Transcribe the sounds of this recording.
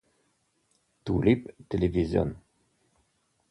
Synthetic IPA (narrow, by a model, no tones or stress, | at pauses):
t̪ulipt̪elevizjo̰n